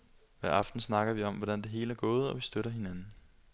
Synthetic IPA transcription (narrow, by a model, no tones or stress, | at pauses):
ʋæɐ̰ɑ̈fd̥n̩snɑ̈ɡ̥ɐʋiɒ̽mʋɒɾ̥ænd̥e̝ɦe̝̰ːləæɐɡ̥ɔ̽ːð̞̩ˠɒ̽ʋisd̥øɾ̥ɐɦe̝nænn̩